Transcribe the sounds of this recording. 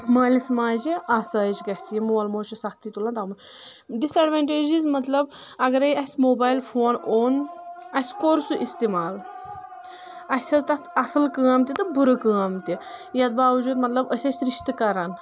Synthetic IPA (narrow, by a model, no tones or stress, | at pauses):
mɐːlʲismaːd͡ʒiʔɐsaːd͡ʒɡɐsjimuːɐlmoːt͡ʃusɐk̚ʰt̪it̪ulant̪amun | d̪isɐɖʋaɳʈeːd͡ʒizmɐt̪lɐbɐɡɐɾɐjɐsʲmoːbaːjlfʰoːnoːnɐsʲkoɾsuʔist̪imaːl | ɐsʲɐzt̪ɐt̪ɐsɐlkəːmt̪ʲit̪ɨbuɾɨkəːmt̪ijɐt̪̚baːʋd͡ʒuːd̪mɐt̪lɐbəsʲɐsʲɾiʃt̪ɨkɐɾaːn